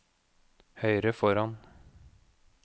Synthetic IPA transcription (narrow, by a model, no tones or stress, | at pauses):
hœʏɾəfɔɾɑn